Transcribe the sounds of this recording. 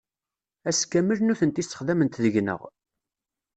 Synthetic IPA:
æskːæməlnuθənt̪ist̪ːə̥χðæmənt̪ðəʝnə̰ʁ

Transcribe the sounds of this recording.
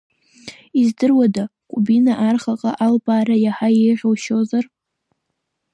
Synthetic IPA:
izdɨrwadakʼʊbinaʔarχaqʼaʔalbaːɾajaħajejʁʲowʃozar

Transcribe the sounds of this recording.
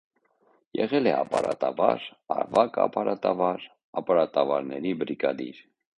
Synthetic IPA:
jɛʁɛlɛɑpɑɾɑt̪ɑvɑɾɑɾvɑkɑ̰pɑɾɑt̪ɑvɑɾ | ɑpɑɾɑt̪ɑvɑɾnɛɾibəɾiɡɑd̪iɾ

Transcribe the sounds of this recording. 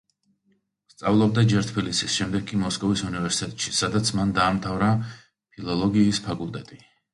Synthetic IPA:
st̪sʼavlˠɔb̚d̪ad͡ʒɛɾt̪ʰbilisisʃɛmd̪ɛɡkʼimɔskʼɔvisunivɛɾsi̥t̪ʼɛt̪ʼʃisad̪at̪sʰmand̪aːmt̪ʰavɾa | pʰilˠɔlˠɔɡiːspʰakʼulˠt̪ʼɛt̪ʼi

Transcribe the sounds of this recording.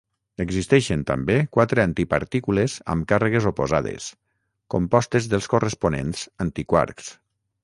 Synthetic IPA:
əɡzist̪ɛʃent̪ə̰mbekwat̪ɾeant̪ipa̰ɾt̪ikulezə̰mkarəɣ̞ezopozaðḛs | kompɔst̪ezðəlˠskorəsponḛnz̥ant̪ikwa̰ɾks

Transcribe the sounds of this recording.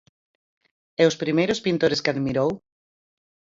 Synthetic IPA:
ɛʊspɾimejɾʊspĩnt̪oɾɪskɪaðmiɾow

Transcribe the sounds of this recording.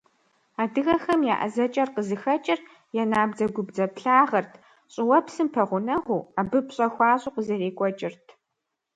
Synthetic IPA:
aːdɨɣɐxɐmja̰ːʔɐ̰zɐt͡ʃʼɐrqəzɨxɐt͡ʃʼɪr | jɛnaːbd͡zɐɡʷʊbd͡zɐpɬaːʁɐrtʰ | ɕʼɪwɐpsɨmpʰɐʁʷʊnɐʁʁʷuːabɨpɕʼɐxʷaːɕʼʊqəzɐreːkʷʼɔt͡ʃʼɪrtʰ

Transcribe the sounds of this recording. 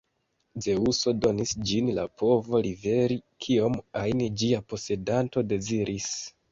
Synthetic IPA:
ze̞uso̞do̞nisd͡ʒinla̰pʰo̞vo̞live̞ɾikʰio̞majnid͡ʒiapo̞se̞danto̞de̞ziɾʔis

